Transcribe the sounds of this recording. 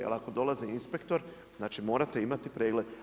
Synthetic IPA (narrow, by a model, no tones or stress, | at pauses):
a̰lako̞d̪o̞laziinspe̞kt̪o̞ɾ | znaːt͡ʃimo̞ːɾat̪e̞imat̪ipɾe̞ːɡle̞d̪